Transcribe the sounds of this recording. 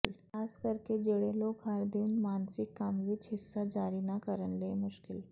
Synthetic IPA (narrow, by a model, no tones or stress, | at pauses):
l | askəɾked͡ʑeɽelokɦaɾd̪iːnmansikːamʋid͡ʑɦisːəd͡zaɾinakəɾənlemuɕkil